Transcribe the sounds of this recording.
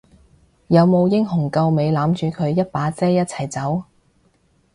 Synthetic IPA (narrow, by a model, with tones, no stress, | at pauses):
jɐ˨˧wmo˨˧wjɪ˥ŋɦʊ˨˩ŋkɐ˧wme˨˧jlaː˨˥mt͡ʃyː˨˧kʰɵ˨˧ɥjɐ˥t̚paː˨˥t͡sɛː˥jɐ˥t̚t͡sʰɐ˨˩jt͡sɐ˨˥w